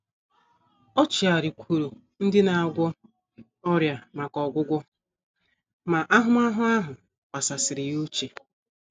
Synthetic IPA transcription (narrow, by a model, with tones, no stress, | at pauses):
ɔ˦t͡ʃi˨a˨ɾi˨kʷʰu˨ɾu˨ | n̩˦dɪ˦na˨a˨ɡʷɔ˦ | ɔ˦ɾja˨ma˨kɔ˨ɡʷʊ˦ɡʷʊ˦ | ma˨ʔa˦ɦʊ˦m˦a˦ɦʊ˦a˦ɦʊ˨ | pa˨sa˨sɪ˨ɾɪ˨ju˦t͡ʃe˨